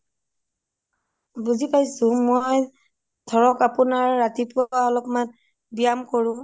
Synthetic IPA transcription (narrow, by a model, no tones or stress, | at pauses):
buzipajsʊ̃moj | dʰʱɔɹɔkapunaɹːatipʊwaɔlɔkman | bijamkoɹʊ̃